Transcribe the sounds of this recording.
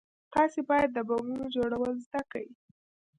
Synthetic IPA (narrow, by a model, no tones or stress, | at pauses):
t̪ɑsebɑjad̪ːəbɑɡunod͡ʒoɽawəlzd̪akawi